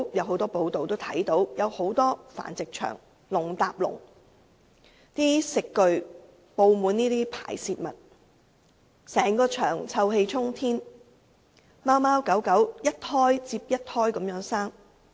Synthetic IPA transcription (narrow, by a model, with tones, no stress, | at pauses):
jɐ˨who˨˧˥wt̪ɔː˥po˨˧wt̪o˨wt̪o˥wt̪ʰɐ˨˥jt̪o˨˥wjɐ˨˧who˨˥wt̪ɔː˥fa̰ː˨˩nt͡sɪ˨k̚t͡ʃʰœ̰ː˨˩ŋ | lʊ˨˩ŋt̪aː˨p̚lʊ̰˨˩ŋ | t̪iː˥sɪ˨kːɵ˨˧ɥ | po˨˧wmuː˨˧niː˥t̪iː˥pʰa̰ː˨˩jsiː˧t̚mɐ̰˨˩t̚ | sɛː˨˩ŋkɔː˧t͡ʃʰœː˨˩ŋt͡sʰɐ˧whe˧jt͡sʰʊ˥ŋt̪ʰiː˥n | maː˥wmaː˥wkɐ˨˥wkɐ˨˥wjɐ˥t̚hɔː˥jt͡siː˧p̚jɐ˥t̚hɔː˥jkɐ˨˧˥mjœː˨˥ŋsaː˥ŋ